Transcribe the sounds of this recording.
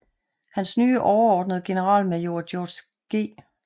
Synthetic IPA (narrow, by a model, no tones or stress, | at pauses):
hænsnyːʔɒʊɐɒːd̥nəð̩ˠɡ̥e̝nəʁɑ̰̈ːlmejo̝ːɐd̥jo̥ːs | ɡ̥e̝̰ː